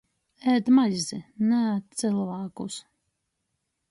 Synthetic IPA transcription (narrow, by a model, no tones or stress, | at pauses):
ɛːd̪majzinæt̪t̪sɨlˠvaːkṵs